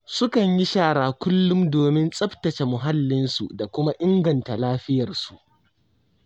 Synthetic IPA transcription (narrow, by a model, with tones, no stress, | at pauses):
sʊ˦kɐ˨ɲji˦ʃaː˦˨ɽaː˨kʷʊ˦lːʊ˦mdoː˨mɪ˦nsʼɐ˦btɐ˨t͡ʃe˨mʊ˨ɦa˦lːɪ˦nsu˨da˨kʷʊ˦ma˦ʔɪ˦ŋɡɐ˨nta˨laː˦ɸɪ˦jɐ˨rsu˨ʔ